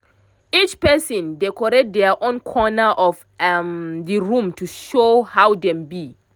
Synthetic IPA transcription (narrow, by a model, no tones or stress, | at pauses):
it͡ʃpɛsɔ̃ndɛkɔɹet̚dɛʔõnkʰɔnəʔɔf | mdiɹũmtʰuʃohawdɛ̃mbi